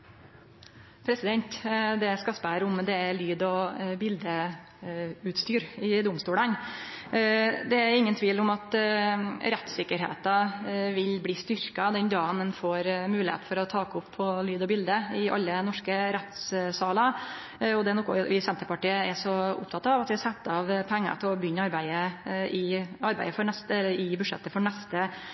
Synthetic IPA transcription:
pʰɾɛsɪd̪ɛnt̪d̪ɛskɑspəɾʊmd̪ɛælyːd̪ɔbɪld̪ə | ʉːt̪st̪yːɾɪd̪ʊmst̪uːlɑn | d̪ɛæɾɪŋːənt̪ʰʋiːlʊmɑt̪ | ɾɛt̪sɪkːəɾɦḛːt̪ɑʋɪlbliːst̪ʏɾkɑd̪ɛnd̪ɑːnənfoːɾmʉːlɪhḛːt̪fɔɾɔt̪ʰɑːkʊpʰːɔlyːd̪ɔbɪld̪əɪʔɑ̰lːənɔʂkəɾɛt̪ssɑːlɑ | ɔd̪ɛnɔkːʊ̰ɪsɛnt̪əɾpɑʈiːəɛʂɔʊ̰pt̪ʰɑt̪ɑʋɑt̪ʋɪɑsɛt̪ːɑʋpʰæŋːə̰t̪ʰɪlɔbjʏnːɑɾbæɪəʔɪɑɾbæ̰ɪəfɔɾɳɛst̪ɛlːəɾɪbʉd̪ʂɛ̰t̪ːəfɔɳɛst̪ə

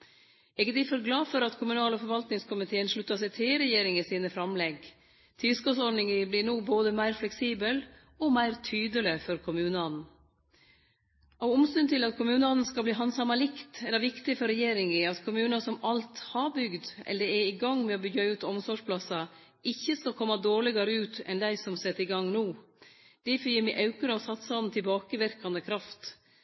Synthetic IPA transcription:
ɛɡəd̪ɪfɔɾɡlɑːfɔɾɑt̪kʰʊmʉnɑːlɔfɔɾʋɑlt̪nɪŋskʰʊmɪt̪ʰeːənʂɭʉt̪ːɑsɛt̪ʰeːɾɛjeːɾɪŋɪsiːnəfɾɑmlɛɡ | t̪ʰɪskɔsɔɳɪŋɪblɪɳoːboːd̪əmæɪɾflɛksiːbəl | ɔmæɪɾt̪ʰyːd̪əlɪfɔɾkʰʊmʉːnəɑn | ɑːʋʊmst̪ʉnt̪ʰɪlɑt̪kʰʊmʉːnəɑnn̩skɑlbliːɦɑnsɑmɑlɪkt̪ɛlːəɾʋɪkt̪ɪfɔɾɛjeːɾɪŋɪɑt̪kʰʊmʉːnɑsɔmɑlt̪hɑbʏɡd̪ɛ̰lːəɛɪɡɑŋːmɛɔbʏɡɑʉːt̪ɔmsɔʂpʰlɑsɑ | ɪçːəskɑlkʰɔmːɑd̪oːɭɪɡɑɾəʉːt̪ɛ̰nd̪æɪsɔmsɛt̪ːɪɡɑŋnuː | d̪̥ɛfjiːɾmiʔɑʉkəɾəɔsɑt̪sɑnn̩t̪ʰɪlbɑːkəʋɪɾkɑnd̪əkʰɾɑft̪

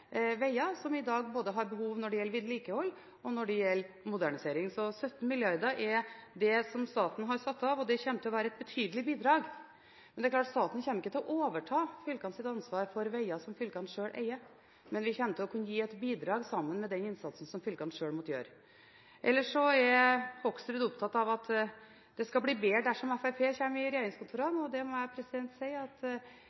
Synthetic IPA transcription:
ʋæɪɑsɔmɪd̪ɑːɡboːd̪əɦɑɾbəɦuːʋnɔɖɛjɛlːɾʋɪd̪liːkəhɔlː | ɔnɔɖɛjɛlː | mʊd̪æɳɪseːɾɪŋsɔsœt̪n̩mɪljɑɾd̪əɾʔɛɾd̪ɛsɔmst̪ɑːt̪n̩ɦɑɾsɑt̪ːɑʋɔd̪ɛçɛmət̪ɪlɔʋæːɾəɛt̪̚bɛt̪ʰyːd̪əlɪbiːd̪ɾɑːɡ | mɛnd̪ɛklɑːʈst̪ɑːt̪n̩çɛːmːəɪkːət̪ʰɪlɔʔoːʋəʈʰɑːfʏlkɑnəsɪt̪ɑnsʋɑːɾfɔɾʋæɪɑsɔmfʏlkɑnʂøːɭʔæ̰ɪə | mɛnʋɪçɛmt̪ɪlɔkʰʉnːəjiːɛt̪biːd̪ɾɑːɡsɑmːənmɛd̪ɛnɪnsɑt̪sn̩sɔmfʏlkɑnʂøːɽmɔt̪jø̰ːɾ | ʔɛlːəʂɔɛɾhɔksd̪ɾʉd̪ʊp̚t̪ʰɑt̪ːɑʋɑt̪ | d̪̥ɛskɑbliːbeːɖ̪æʂɔmɛfæpʰeːçɛmɪɾɛjeːɾɪŋskʰʊnt̪ʰuːɾɑnɔd̪ɛmɔæɪpʰɾɛsɪd̪ɛnt̪sɛɪɑt̪

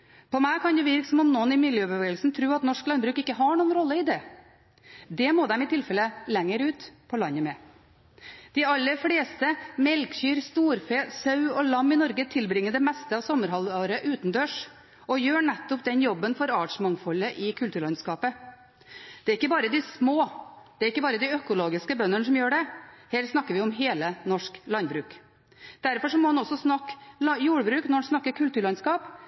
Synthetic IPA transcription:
pʰɔmæɪkʰɑnd̪jʊʋɪɾksɔmɔmnɔnɪmɪljøːøbəʋeːɡəlsn̩t̪ʰɾʉːɑt̪nɔʂklɑnbɾʉːkɪkːəɦɑɳuːənɾɔlːəɪd̪ɛː | d̪ɛmoːd̪ɛmɪt̪ʰɪlfɛlːəlɛŋːəɾʉːt̪pʰɔlɑɲːəmɛ | d̪̥ɪɑlːəfɽeːst̪əmɛlkçyːɾst̪uːɾfeːsɑʉɔlɑmːɪnɔɾɡət̪ʰɪlbɾɪŋːəd̪ɛmɛst̪əɑːʋsɔməɾɦɑlɑːɾəʔʉːt̪nd̪øːʂ | ɔjøːɳɛt̪ːɔpd̪ɛnjɔbːənfɔɾɑːʈʂmɑŋfɔlːəʔɪkʰʉlt̪ʉːɭɑnskɑːpə | d̪̥ɛæɾɪkːəbɑːɾəd̪ɪsmoːd̪̥ɛæɾɪkːəbɑːɾəd̪ɪœkʊloːɡɪskəbœnːəɳəʂɔmjøːɖɛhɛlt̪snɑkːəɾʋɪɔmɦeːlənɔʂklɑnbɾʉːk | d̪̥æɾfɔʂɔmɔːhɑnɔsɔsnɑkːljuːɽəbɾʉːknɔɾɑnsnɑkːəɾkʰʉlt̪ʉːɾɭɑnskɑːp

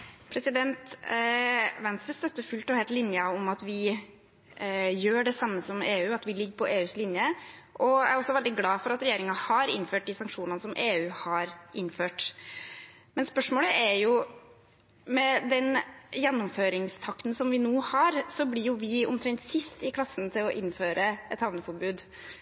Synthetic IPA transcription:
pʰɾɛsɪd̪ɛnt̪ | ʋɛnst̪ɾəst̪œt̪ːəfʉlt̪ɔhɛɪlt̪lɪnjəɔmɑt̪ʋɪ | jøːɖɛsɑmːəsɔmeːʉːɑt̪ʋɪlɪɡːəpʰɔʔeːʉːslɪnjəʔɔææɾɔsːɔʋɛld̪ɪɡlɑːfɔɾɑt̪ɾɛjeːɾɪŋɑhɑɾɪ̰nføːʈ̚d̪ɪsɑŋkʂuːnɑnəsɔmʔeːʉːhɑɾʔɪnːføːʈ | mɛnspœʂmoːləʔæɾjʊ | mɛd̪ɛnjɛnːʊmføːɾɪŋst̪ʰɑkt̪n̩sɔmʋɪnuːhɑɾsɔblɪɾjʊʋɪɔ̰mt̪ʰɾɛŋt̪sɪst̪ɪkʰlɑsən̩t̪ʰɪlɔʔɪnːføːɾəʔɛt̪hɑʋnəfɔɾbʉːd̪

